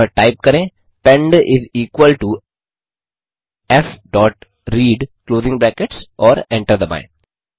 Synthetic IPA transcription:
ʈaɪp̚kɐɾẽː | pɛ̃ɳɖɪziːkwəlʈu | ɛfɖɔːʈ | ɾiːɖkloːzɪ̃ŋɡbɛːkeʈsʔɔːɾɛ̃ɳʈəɾd̪əbã̰ɪ̃n

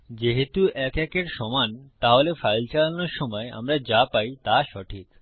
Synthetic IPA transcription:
d͡ʑeɦet̪uɛkɛkeɾʃɔmant̪aɦolefajlt͡ɕalanoɾʃɔmɔea̰mɾad͡ʑapajt̪aʃɔʈʰik

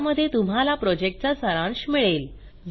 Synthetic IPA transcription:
məd̪ʱːjet̪um̤ɦalapɾɔd͡ʑek̚ʈ̚t͡ɕasəɾãɳɕmiɭel

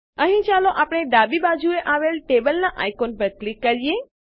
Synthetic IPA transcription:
əɦĩt͡ʃaloʔapɽɳ̃ed̪abibad͡ʒueʔaʋelʈebəlnaʔajkonpəɾklikːəɾije

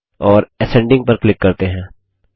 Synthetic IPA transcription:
ɔːɾɛsɛ̃ːɳɖɪ̃ŋɡ̚pɐɾklɪkːɐɾt̪eɦɛ̃ː

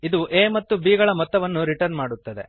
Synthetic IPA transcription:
id̪uʔeːmɐt̪ːubiːɡɐɭɐmɔt̪ːɐʋɐnːuɾiʈɐɾnmaːɽut̪ːɐd̪e

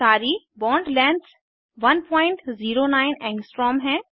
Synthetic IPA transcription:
aːɾi | bɔ̃ːɳɖlɛ̃ːns | ʋɐnpɔ̃ːɪ̃ɳʈziːɾonaːɪnɛ̃ːŋɡsʈɾɔːmɦɛ̃ː

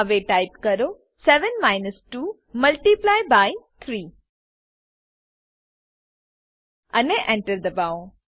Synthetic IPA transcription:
ʋeʈaɪpkəɾo | sɛʋə̃nmaːɪnəsʈuː | məlʈiplajbaɪt̪ʰɾiː | ɐneʔɛ̃ɳʈəɾd̪əbaʊ̃

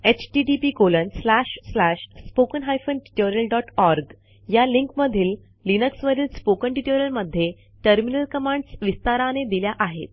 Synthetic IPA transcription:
et͡ɕʈiʈipikolənslæɕslaɕspokənɦajfənʈi̥ʈoɾjəlɖɔʈɔɾɡ | jaliŋkməd̪ʱiːlː | inəksʋəɾiːlspokəɳʈiʈoɾjəlməd̪ʱːje | ʈəɾminəlkəmãɳɖsʋist̪aɾaned̪iljaʔaɦḛt̪̚

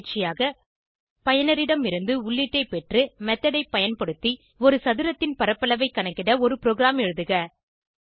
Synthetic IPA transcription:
ʈt͡ʃːɪjaːɣɐ | pɐjɐnɐɾɪɽɐmɪɾɯnd̪ɯʊɭːɪʈːɐɪpɛʈrɯmɛt̪ːɐɽɐɪpːɐjɐnpɐɽɯt̪ːi | ɔɾɯsɐðɪɾɐt̪ːɪnpɐɾɐpːɐlɐʋɐɪkːɐnɐkːɪɽɐɔɾɯpɪɾoːɣɪɾaːmɛɻɯðɯɣɐ

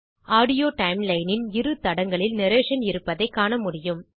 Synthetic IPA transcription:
aːɽɪjoːʈɐɪmlɐɪnɪnɪɾɯt̪ɐɽɐŋɡɐɭɪlnɪɾeːʂɐnɪɾɯpːɐðɐɪkːaːɳɐmʊɽɪjɯm

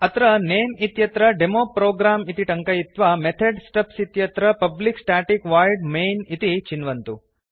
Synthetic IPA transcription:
ɐt̪ɾɐneːmit̪jɐt̪ɾɐɖemoːpɾoːɡɾaːmit̪iʈɐŋkɐjit̪ʋɐmet̪ʰeɖsʈɐpsit̪jɐt̪ɾɐpɐbliksʈaːʈikʋaːjɖmeːjnit̪it͡ʃinʋɐnt̪u

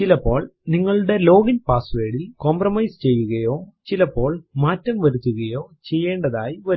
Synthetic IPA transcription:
t͡ɕilɐpːo̞ːɭniŋːɐɭuɽe̞lo̞ːɡɐnpaːsʋeːɽilkomprɐmɐjst͡ɕe̞jːuɣɐjo̞ːt͡ɕilɐpːo̞ːɭmaːtːɐmʋɐɾut̪ːuɣɐjo̞ːt͡ɕe̞jːe̞ːɳɖɐðaːjiʋɐ

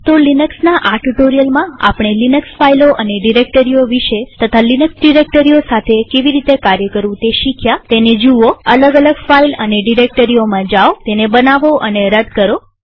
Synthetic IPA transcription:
t̪olinəksnaʔaʈuʈoɾijəlmãa̰pɳ̃elinəksfailoʔəneɖiɾek̚ʈəɾijoʋiʃet̪ət̪ʰalinəksɖiɾek̚ʈəɾiosat̪ʰekeʋiɾit̪ekaɾjəkəɾʋũt̪eʃikʰjat̪ened͡ʒuʋoələɡələɡfailəneɖiɾek̚ʈəɾiomãd͡ʒaot̪enebənaʋoʔəneɾəd̪ʱkəɾo

